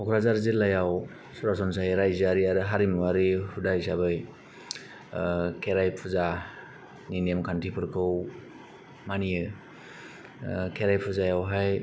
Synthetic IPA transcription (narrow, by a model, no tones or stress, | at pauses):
ɔkʰɾazaɾzilajaw | sɔɾasɔns̬ajɾajzaɾiaɾɯɦaɾimwaɾihudajsabɯj | kʰeɾajpʰuza | ninemkʰantʰipʰɯɾkʰɯw | manijɯ | kʰeɾajpʰuzajawɦaj